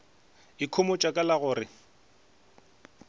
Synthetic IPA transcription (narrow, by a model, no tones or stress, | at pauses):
ɪkʰʊmʊt͡ʃʼakʼalaɣʊːrɪ